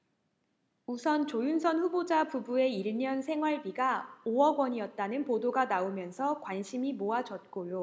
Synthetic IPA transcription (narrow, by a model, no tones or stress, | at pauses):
usʰʌnt͡ɕojunsʰʌnɸubod͡ʑapubue̞iɭɲʌnsʰe̞ŋɦwaɭbiɡaoʌɡwʌɲiʌt̚t͈anɯnpodoɡanaomjʌnsʰʌkwanɕʰimimoad͡ʑʌt̚k͈ojo